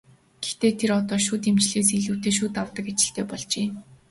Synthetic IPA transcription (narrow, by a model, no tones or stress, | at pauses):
ɡ̥ext̪eːt̪ʰeɾɔt̪ɔːʃuːt̪emt͡ɕɮeːsiɮuːwʰt̪eːʃ̬uːt̪awt̪ə̆kat͡ɕɪ̥̆ɬt̪eːpɔɮt͡ɕeː